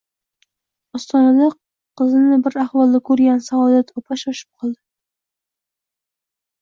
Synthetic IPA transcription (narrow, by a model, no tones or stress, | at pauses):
ɒst̪ɒnad̪a | qʰɨzɪnɪbɪɾahvɒlˠd̪akʰɵɾɡʲansaɒd̪at̪ʰɒpʰaʃɒʃɪ̥p̚qʰɒlˠd̪ɪ